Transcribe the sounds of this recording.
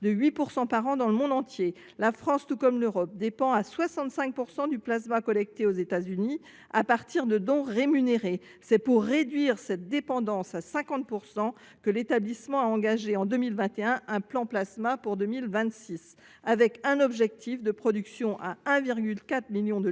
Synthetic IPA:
d̪əɥipuʁsɑ̃paʁɑ̃d̪ɑ̃ləmɔ̃d̪ɑ̃t̪je | lafχɑ̃st̪ukɔmløʁɔp̚d̪epɑ̃aswasɑ̃t̪sɛ̃k̚puʁsɑ̃d̪yplasmakɔlɛk̚t̪eozet̪azyni | apaʁt̪iʁd̪əd̪ɔ̃ʁemyneʁesɛpuʁːed̪ɥiʁsɛt̪̚d̪epɑ̃d̪ɑ̃sasɛ̃kɑ̃t̪̚puʁsɑ̃ | kəlet̪ablismɑ̃aɑ̃ɡaʒeɑ̃d̪ømilvɛ̃t̪eɛ̃ɛ̃plɑ̃plasmapuʁd̪ømilvɛ̃t̪sis | avɛkɛ̃nɔbʒɛk̚t̪ʰifd̪əpχɔd̪yksjɔ̃ʔaɛ̃viʁɡʲylkat̪χmiljɔ̃d̪ə

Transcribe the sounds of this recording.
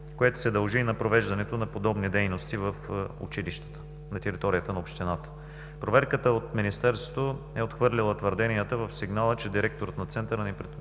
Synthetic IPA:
koɛt̪o̥sɛd̪ɐlˠʒinɐpɾovɛʒd̪ɐnɛt̪onɐpod̪ɔbnid̪ɛjnost̪ivɐfṵt͡ʃiliʃt̪ə̥t̪ə̥ | nɐt̪ɛɾit̪ɔɾijət̪ənɐopʃt̪inat̪ə̥ | pɾovɛɾkət̪əot̪minist̪ɛɾst̪vo̥t̪oɛot̪xvɤɾlʲilˠət̪vəɾd̪ɛnijət̪əvɐfsiɡnalˠət͡ʃɛd̪iɾɛk̚t̪oɾət̪nɐt̪sɛnt̪əɾənɛpɾɛ

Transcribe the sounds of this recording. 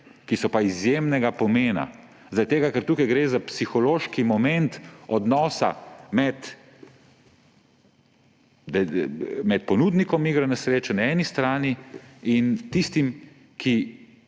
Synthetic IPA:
kisɔpaizjeːmnɛɡapɔmeːna̰ | zɐɾad̪̚ʲt̪eːɡakɛɾt̪uːkajɡɾeːzapsixɔloːʃkimɔmɛnt̪ɔd̪nɔːsa̰mɛt̪ | d̪ɛmɛt̪̚pɔnuːd̪nikɔmiːɡɾanasɾeːt͡ʃɛnaɛːnist̪ɾaːniint̪ist̪im | kʰi

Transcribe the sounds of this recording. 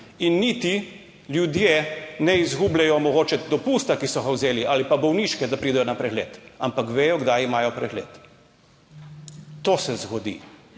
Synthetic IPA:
inːit̪i | ljud̪jenɛizɡublɛjɔmɔɡoːt͡ʃɛd̪ɔpuːst̪akisɔɣawzeːliʔaːlipabɔwniʃkɛd̪apɾid̪ɛjɔnapɾɛɣlḛːt̪a̰mpakʋeːjɔɡd̪ajimaːjɔpɾɛɣlḛːt̪ | t̪oːsɛzɡɔd̪ḭː

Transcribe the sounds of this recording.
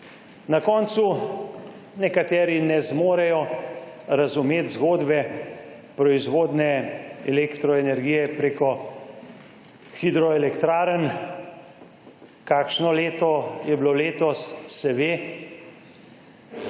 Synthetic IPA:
nakɔːnt̪su | nɛkat̪ɛːɾinɛzmoːɾɛjɔ | ɾazumeːt̪zɡoːd̪bɛ | pɾɔizʋoːd̪nɛɛlekt̪ɾɔɛnɛɾɡijɛpɾeːkɔ | xid̪ɾɔɛlɛkt̪ɾaːɾən | kaːkʃnɔleːt̪ɔjɛbloleːt̪ɔsːɛʋeː

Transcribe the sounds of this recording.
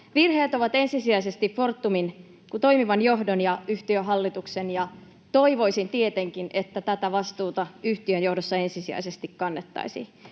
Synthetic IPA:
ʋirheːt̪oʋɑt̪e̞nsisiæisest̪iffo̞rt̪ːumin | kut̪o̞imiʋɑnjo̞ɦdonjɑyht̪iøɦɑlːit̪uksenjɑ | t̪o̞iʋo̞isint̪iet̪eŋkinʔet̪ːæt̪æt̪æʋɑst̪uːt̪ɑyht̪iønjo̞hdosːɑe̞nsisiæ̰isest̪ikkɑnːet̪ːɑ̰isḭ

